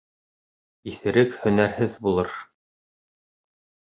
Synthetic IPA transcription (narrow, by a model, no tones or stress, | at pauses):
iθɘ̆ɾɘkhɵ̆næɾhɘðbulˠɤɾ